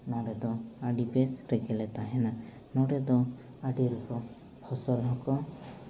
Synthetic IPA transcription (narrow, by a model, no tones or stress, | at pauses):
nɔɖɛd̪ɔaɖipesɾekʰɛlɛt̪aɦɛna | nɔɖɛd̪ɔ | aɖiɾukɔ | pʰɔsɔlɦɔkɔ